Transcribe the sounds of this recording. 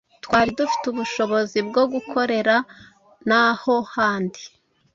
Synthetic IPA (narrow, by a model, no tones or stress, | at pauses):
twaːɾidufi̥tuβuʃo̞βo̞zibɡoɡukʰo̞ɾe̞ɾa | naho̞haːndi